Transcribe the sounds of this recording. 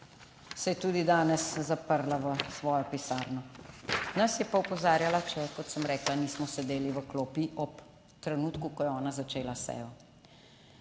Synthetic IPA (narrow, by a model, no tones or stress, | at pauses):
sɛjɛt̪uːd̪id̪aːnɛszapəɾlaʋəsʋɔːjɔpisaːɾnɔ | nɐsjɛpaupɔzaːɾjalat͡ʃɛkɔt̪səmɾɛːklaniːsmɔsɛd̪eːliʋəkloːpiʔɔp | t̪ɾɛnuːt̪kukɔjɛɔːnazat͡ʃeːlasɛ̰ːjɔ